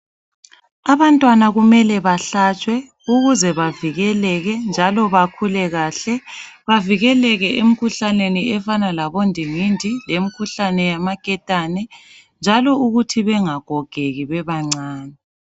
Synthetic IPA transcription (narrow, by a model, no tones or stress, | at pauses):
aβantʼwanaɣumɛlɛβaɬat͡ʃʼwɛ | uɣuzɛβaviɣɛlɛɣɛnd͡ʒʱalɔβakʰulɛɣaɬɛ | βaviɣɛlɛɣɛem̩kʰuɬaneniɛfanalaβondʱiŋindʱilemikʰuɬanɛjamakʼɛtʼanɛ | nd͡ʒʱalɔuɣutʰiβɛŋaɡ̥ʱɔɡ̥ʱeɣiβɛβaŋ͡ǀaːnɛ